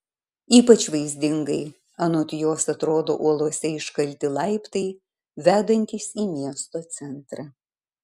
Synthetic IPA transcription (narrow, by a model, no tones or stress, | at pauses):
iːpɐt͡ʃʋɐɪzʲd̪ʲɪŋɡɐɪ | ɐnoːt̪ʲjoːsɐt̪ɾoːd̪o̰ːʔuɔlˠuɔsʲɛɪʃkɐlʲt̪ʲɪlˠɐɪpt̪ɐɪ | ʋʲæːd̪ɐnʲt̪ʲiːsiːmʲiɛst̪oːt̪sʲɛnt̪ɾɐ